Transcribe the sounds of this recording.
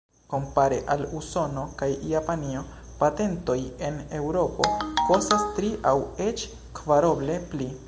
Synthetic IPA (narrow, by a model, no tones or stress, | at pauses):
ko̞mpaɾeʔaluso̞no̞kajjapanio̞ | pate̞nto̞je̞ne̞wɾo̞po̞ko̞sastɾiʔawe̞t͡ʃ | kvaɾo̞ble̞pli